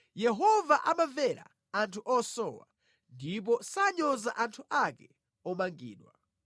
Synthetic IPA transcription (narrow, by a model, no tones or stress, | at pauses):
jɛɦɔvaʔamavɛɾa̰ | antʰuʔɔsɔːwa̰ | ndip̬ɔsaɲɔzaʔantʰuʔakɛ | ɔmaŋɡḭːɗwa